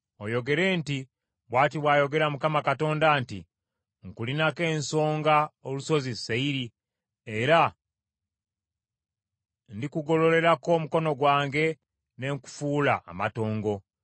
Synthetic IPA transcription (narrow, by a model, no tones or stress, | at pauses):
ojo̞ɡe̞ɾe̞ːnti | βwaːtiβwaːjo̞ɡe̞ɾamukamakato̞ːndaːntḭ | ŋkulinake̞ːnso̞ːŋɡaoluso̞ziseiɾi | e̞ɾa | ndikuɡo̞lo̞ɾe̞ɾako̞ːmuko̞no̞ɡwaːŋɡe̞ | ne̞ŋku̥fuːla̰ːma̰to̞ːŋɡo̞